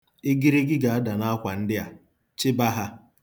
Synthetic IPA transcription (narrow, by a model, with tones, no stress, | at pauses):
e˦ɡi˦ɾe˦ɡɪ˦ɡa˨a˦da˨na˦a˦kʷa˨n̩˦dɪ˦a˨ | t͡ʃɪ˦ba˦ɦa˦